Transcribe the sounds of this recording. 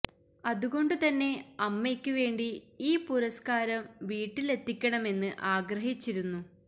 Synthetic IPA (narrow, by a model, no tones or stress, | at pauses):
ɐðuɣo̞ɳɖɨt̪ɐnːe̞ɐmːekʲːuʋe̞ːɳɖiiːpuɾɐskaːɾɐmʋiːʈːile̞t̪ʰːikʲːɐɳɐme̞nːɨʔaːɡɾɐɦit͡ɕːiɾunːu